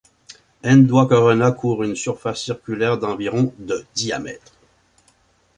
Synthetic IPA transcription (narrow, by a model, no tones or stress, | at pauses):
ɛ̃nd̪wakɔʁɔnakʰuːʁynsyʁfasːiʁkʲylɛːʁd̪ɑ̃viʁɔ̃d̪əd̪ia̰mɛ̰t̪χ